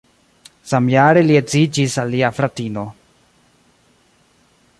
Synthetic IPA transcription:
samjaɾeliet͡sid͡ʒisaliafɾat̪ino

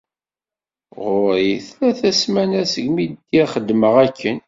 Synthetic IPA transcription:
ʁʊɾiθlæθæsmænæsəɡmid̪ːiæχəd̪məʁækʰːən

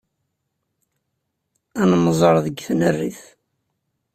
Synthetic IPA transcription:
ænməzˤəɾˤðəɡθnərːiθ

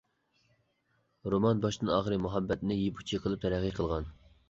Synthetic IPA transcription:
ɾomɑnbɑʃd̪ɨnɑːχəɾɨmuɦɑbːɛt̪nɪjepʰu̥t͡ʃʰiqʰəlˠɨp̚t̪ʰɛɾæʁiqʰəlˠʁɑn

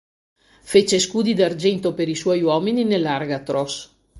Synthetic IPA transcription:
fet͡ʃeskuːd̪id̪ard͡ʒɛnt̪opeɾiswɔjwɔːmininelːarɡat̪ɾos

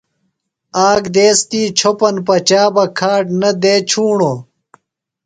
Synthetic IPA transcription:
aːɡd̪eːst̪iːt͡ɕʰopɐnpɐt͡ɕaːbɐkʰaːʈnɐd̪eːt͡ɕʰuːɳo

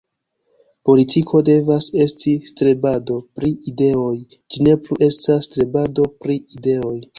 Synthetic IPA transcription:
po̞litʰikʰo̞de̞vase̞stistɾe̞bado̞pɾiide̞o̞j | d͡ʒine̞pluʔe̞stastɾe̞bado̞pɾiide̞o̞j

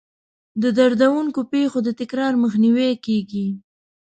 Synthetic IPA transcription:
d̪əd̪aɾd̪awuŋkopexod̪ət̪ɪkɾɑɾməxniwekeɡi

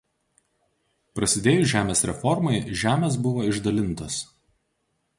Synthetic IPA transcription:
pɾɐsʲɪd̪ʲeːjʊʒʲæːmʲeːsɾʲɛfɔɾmɐɪʒʲæːmʲeːs̬bʊʋoːɪʒd̪ɐlʲɪnˑt̪os

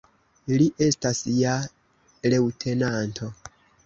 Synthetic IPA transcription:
liʔestasja | lewtʰe̞nantʰo

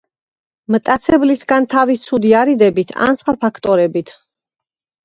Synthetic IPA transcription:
mt̪ʼat̪sʰɛblisɡant̪ʰavit̪sʰud̪iaɾid̪ɛbit̪ʰa̰nsχwapʰakʰt̪ʼɔɾɛbit̪ʰ

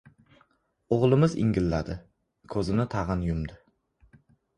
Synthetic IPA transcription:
oʁlˠɪmɪzɪ̰ŋɡʲɪlːad̪ɪ | kʰɵzɪnɪt̪ʰɑʁɨnjʊmd̪ɪ

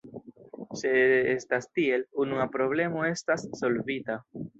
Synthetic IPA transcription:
seestastie̞lunuapɾo̞βle̞mo̞e̞stasːo̞lvita

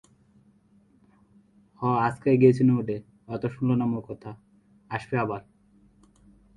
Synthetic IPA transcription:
hɔaskajɡiet͡ɕʰineuɖe | ɔt̪oʃunlonamokɔt̪ʰa | aʃbeabal

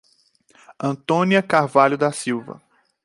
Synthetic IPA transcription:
ɐ̃nt̪õniɐkaɾvaʎʊd̪ɐsiwvɐ̰

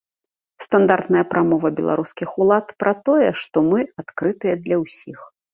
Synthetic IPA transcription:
st̪and̪art̪nɐjɐpɾʔamɔvɐbʲɛlˠa̰ɾuskʲixulˠat̪pɾʔat̪ɔjɛʂt̪ɔmɨat̪kɾɨt̪ɨjɛd̪lʲɐwsʲix

